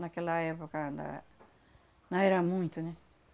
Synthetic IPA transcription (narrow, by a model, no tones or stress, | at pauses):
nɐkɛlɐɛpokɐ̃nd̪ɐ̰ | nɐ̃ɛɾɐmũj̃t̪ʊnɛ